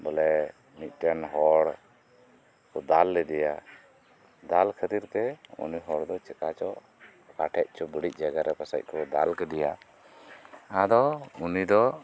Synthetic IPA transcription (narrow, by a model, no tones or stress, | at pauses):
bɔlɛ | mit̪̚ˀtɛnɦɔɽ | kɔd̪alːɛd̪ɛja | d̪alkʰət̪iɾt̪ɛṵniɦɔɽd̪ɔt͡ʃɛkat͡ʃɔ | kaʈʰɛʔ̚ˀt͡ʃɔbəɽic̚ˀd͡ʒaɡaɾɛpasa̰c̚kɔd̪alkɛd̪ɛja̰ | ãd̪ɔunid̪ɔ